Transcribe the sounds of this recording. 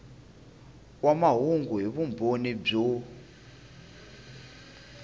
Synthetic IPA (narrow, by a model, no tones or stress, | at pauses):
wamaɦuŋɡuɦiβumbʱonib͡ʐo